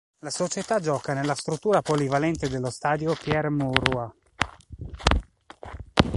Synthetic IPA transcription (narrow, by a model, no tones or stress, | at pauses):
lasot͡ʃet̪ad͡ʒɔːkanelːast̪ɾut̪ːuːɾapolivalɛnt̪ed̪elːost̪aːd̪jopjɛrmuɾua